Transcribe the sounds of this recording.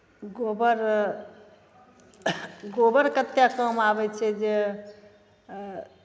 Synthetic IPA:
ɡobəɾ | ɡobəɾkət̪jakəmabɛt͡ʃʰɛd͡ʒe

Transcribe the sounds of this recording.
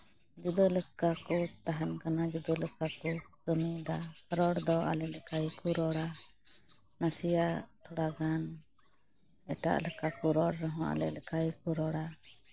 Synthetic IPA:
d͡ʒud̪ələkakɔt̪aɦankanad͡ʒud̪ələkakɔkəmid̪aɾɔɽd̪ɔa̰lɛlɛkajkuɾɔɽa | nasijat̪ʰɔɽaɡan | ɛʈa̰ʔlɛkakuɾɔɽɾɔɦɔ̃ʔa̰lɛlɛkajkuɾɔɽa

